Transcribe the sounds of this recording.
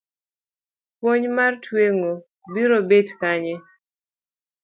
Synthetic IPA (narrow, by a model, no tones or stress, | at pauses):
pwoɲmartʰweŋo | biɾobedkaɲe